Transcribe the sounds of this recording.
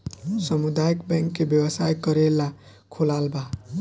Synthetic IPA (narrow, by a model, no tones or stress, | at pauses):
səmud̪ajəkbɛ̃ŋkːebjəwəsajkəɾelːa | kʰolalba